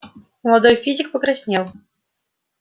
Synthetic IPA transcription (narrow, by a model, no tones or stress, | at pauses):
məlˠad̪ojfʲizʲɪk̚pəkɾasʲnʲelˠ